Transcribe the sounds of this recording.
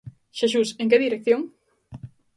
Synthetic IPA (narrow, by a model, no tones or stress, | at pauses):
ʃeʃ̬useŋk̬eðiɾek̚θjõŋ